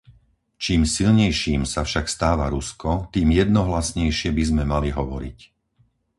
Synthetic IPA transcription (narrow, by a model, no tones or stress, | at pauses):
t͡ʃiːmsilɲɛjʃiːmsafʃakst̪aːʋaɾuskɔt̪iːmjɛd̪nɔɦlasɲɛjʃɪɛbizmɛmaliɦɔʋɔɾḭc